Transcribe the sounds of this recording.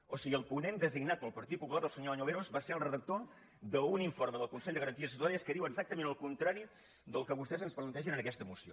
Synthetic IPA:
osiɣəlˠpunend̪əziɡnat̪̚pəlˠpəɾt̪it̪̚pupulaɾðəlˠsəɲoaɲoβeɾozβaseɾəlˠrəðək̚t̪o | d̪əuniɱforməðəlˠkunsɛʎd̪əɣɾənt̪iəs̬ət̪uaɾiəskəðiwəɡzak̚t̪əmenəlˠkunt̪ɾaɾi | d̪əlˠkəβust̪ɛzənsplənt̪ɛʒənənəkɛst̪əmusio̰

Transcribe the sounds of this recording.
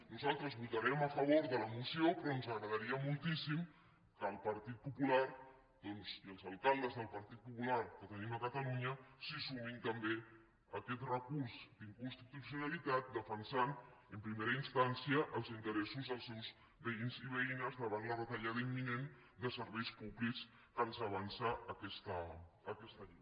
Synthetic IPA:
nuzalˠt̪ɾəzβut̪əɾɛməfəβ̞oɾðələmusiopɾɔnzəɣɾəð̞əɾiəmulˠt̪isim | kəːlˠpəɾt̪it̪̚pupulaɾ | d̪̥ɔnziəlˠzalˠkalˠd̪əzðəlˠpəɾt̪it̪̚pupulaɾkət̪əniməkət̪əluɲəsisumint̪əmbe | əkɛt̪rəkuɾzd̪iŋkunst̪it̪usiunalit̪at̪̚d̪əfənsanəmpɾimeɾəinst̪ansiəʔəlˠzint̪əɾɛsuzðəlˠsewz | βəinziβəinəzðəβ̞anlərət̪əʎað̞əimːinen | d̪əsəɾβɛjspuβliks | kanzəβ̞ansaʔəkɛst̪əː | kɛst̪əʎej

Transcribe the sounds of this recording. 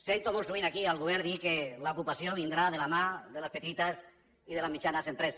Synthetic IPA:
sent̪omũsuβinakialɣuβeɾðikelaokupasjoβind̪ɾaðelamaðelaspet̪it̪as | iðelazmit͡ʃanasempɾes

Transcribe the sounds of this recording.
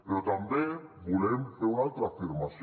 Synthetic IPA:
peɾot̪ambjeŋbulemfeɾunalt̪ɾafiɾmas

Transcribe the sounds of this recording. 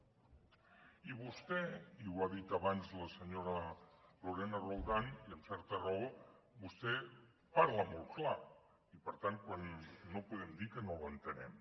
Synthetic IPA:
iβust̪eiwaðit̪aβ̞anzlaseɲoɾaloɾenaroldaniəmsɛɾt̪arao | bust̪e | paɾlamolˠkla | ipəɾt̪an̚kwanːopuðemd̪ikenolent̪enḛm

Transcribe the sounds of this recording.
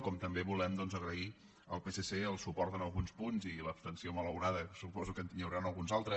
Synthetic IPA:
kɔmt̪əmbeβulɛmd̪ɔnzəɣɾəi | əlˠpeseseəlˠsupɔɾt̪ənəlˠɣunspunziləpst̪ənsiomələwɾaðəsupɔzukənt̪iɲəwɾanəlˠɣunzalˠt̪ɾə

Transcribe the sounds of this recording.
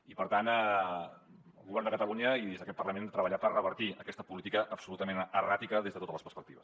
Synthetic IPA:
ipəɾt̪anɛ | əlˠɣuβɛrnd̪əkət̪əluɲəiðezðəkɛt̪̚pərləmenət̪ɾəβəʎapərəβəɾt̪iəkɛst̪əpulit̪ikəʔəbsulut̪əmenərat̪ikəðezðət̪ot̪ələspəɾspəkt̪iβə̰s

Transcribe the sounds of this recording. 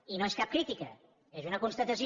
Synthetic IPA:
inõw̃eʃkap̚kɾit̪ikɐ̰ | ezunɐkõnst̪ɐt̪ɐsi

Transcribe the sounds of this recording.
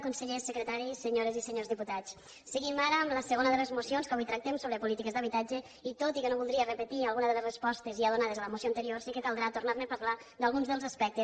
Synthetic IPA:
kunsəʎesəkɾət̪aɾisəɲoɾezisəɲozðiput̪at͡s | səɣimaɾəːmləsəɣonəðələzmusionskaβujt̪ɾak̚t̪ɛmsoβɾəpulit̪ikəzd̪əβit̪ad͡ʒə | it̪ot̪ikənoβulˠd̪ɾiərəpət̪ialˠɣunəðələzrəspɔst̪əziaðunaðezələmusioant̪əɾiorsikəkalˠd̪ɾat̪urnarnepəɾla | d̪alˠɣunzðəlˠzaspɛk̚t̪e

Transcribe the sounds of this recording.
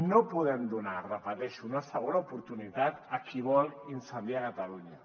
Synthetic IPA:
nopuðɛmd̪unarəpət̪ɛʃuunəsəɣ̞onaupuɾt̪unit̪at̪akiβɔlinsənd̪iakat̪aluɲə

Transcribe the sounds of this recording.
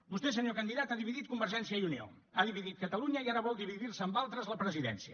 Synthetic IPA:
bust̪es̬əɲokənd̪iðat̪aðiβiðit̪̚kumbəɾʒɛnsiəiunio̰ | aðiβiðit̪̚kət̪əluɲəiaɾəβɔlˠd̪iβiðiɾsəːmbalˠt̪ɾəzləpɾəziðɛ̰nsiə

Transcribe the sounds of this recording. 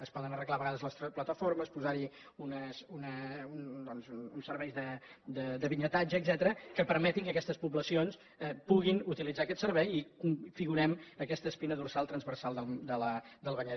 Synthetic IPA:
əspɔðənərəɣlaβəɣaðəzləst̪plət̪əfoɾməspuzaɾi | unəsunəund̪ɔnzuunsəɾβɛjzðəd̪əd̪əβiɲət̪ad͡ʒəːɡzɛt̪əɾəkəpəɾmɛt̪iŋkəkɛst̪əspuβləsions | ɛpuɣinut̪ilid͡zaəkɛt̪səɾβɛjikuɱfiɣuɾɛməkɛst̪əspinəðursalˠt̪ɾənzβərsalˠd̪əd̪ələd̪əlˠβəɲə

